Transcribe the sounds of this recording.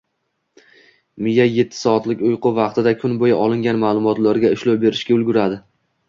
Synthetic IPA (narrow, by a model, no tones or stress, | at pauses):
mɪjaje̞t̪ʰːɪ̥sɒːt̪lɪkʲʊjqʊvɑqt̪ɪd̪akʲʰʊnbojaʔɒlˠɪŋɡʲanmaːlˠʊmɒt̪laɾɡʲaɪʃlowbe̞ɾɪʃkʲaʊlɡʲʊɾad̪ɪ